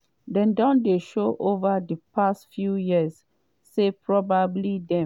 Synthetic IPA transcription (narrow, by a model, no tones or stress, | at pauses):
dɛ̃ndɔ̃ndeʃoʔovadəpʰastfjujisː | epʰɹɔbablidɛ̃